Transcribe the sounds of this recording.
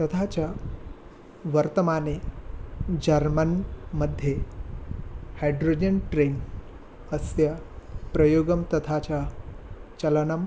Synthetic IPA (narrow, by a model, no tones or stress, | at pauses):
t̪ət̪ʰat͡ɕja | ʋəɾt̪əmane | d͡ʑəɾmənməd̪ʱːje | hajɖɾod͡ʑənʈɾen | əsja | pɾəjoɡəmt̪ɐt̪ʰat͡ɕa | t͡ɕɐlnəm